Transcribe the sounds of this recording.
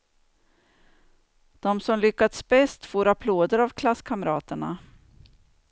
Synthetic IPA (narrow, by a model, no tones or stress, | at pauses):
d̪̥ɔmsɔmlʏkːat̪sbɛst̪foːɾapʰloːd̪əɾavkʰlasːkʰamɾɑːt̪əɳa̰